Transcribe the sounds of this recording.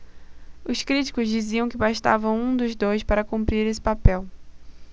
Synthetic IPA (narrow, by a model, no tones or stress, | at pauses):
ʊskɾit͡ʃi̥kʊzd͡ʒiziɐ̃w̃kɪbaʃt̪a̰vɐ̃w̃ũd̪ʊzd̪ojspaɾɐkũpɾiɾesɪ̥papɛw